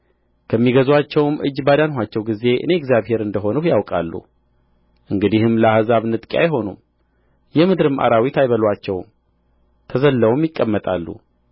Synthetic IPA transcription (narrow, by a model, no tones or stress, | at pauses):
kʰəmːiɡəzwat͡ʃːɛwmʔɨ̰d͡ʒːbad̪anɦʷwat͡ʃːɛwɡize̞ʔɨ̰ne̞ɛɡzjaβhe̞ɾɨnd̪əɦo̞nəhjawkʼa̰lːṵ | ʔɨŋɡɨd̪ihɨmləahazaβnɨt̪ʼkʼja̰jɦo̞nṵm | jɛmɨd̪ɾɨmʔa̰ɾawit̪ʰajβəlwat͡ʃːɛwm | t̪ʰəzəlːəwmjɪkʼːəmːət̪ʼa̰lːṵ